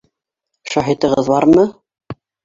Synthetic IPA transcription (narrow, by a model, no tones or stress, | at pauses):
ʃɑɦit̪ɤ̆ʁɤðbɑɾmɤ